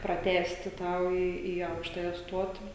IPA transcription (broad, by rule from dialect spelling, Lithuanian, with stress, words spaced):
prɐˈtʲæːsʲtʲɪ ˈtɑː oː ˈiː iː ˈɐʊkʃtɐjɛ ˈstuɔtʲɪ